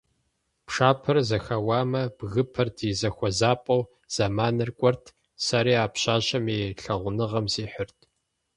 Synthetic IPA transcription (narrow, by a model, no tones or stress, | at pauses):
pʂaːpʰɐrzɐxɐwaːmɐb̥ɣɨpʰɐrdʰizɐxʷɔzaːpʼɐw | z̥amaːnɨrkʷʼɔrtʰ | saɾiːaːpɕʼaːɕʼɐmeːɬɐʁʷʊnɨʁɐmsiːħʊrtʰʼ